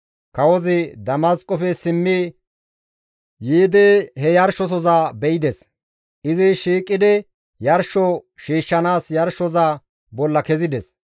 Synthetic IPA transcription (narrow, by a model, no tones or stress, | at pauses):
kɐwɔzɪd̪ɐmɐskʼɔfɛsɪmːɪ | jiːd̪ɛhɛjɐɾʃɔs̬ɔzaːbɛʔɪd̪ɛs | ʔɪzɪʃiːkʼːɪd̪ɛ | jɐɾʃɔʃiːʃːɐnaːsjɐɾʃɔzaː | bɔlːɐkɛzɪd̪ɛs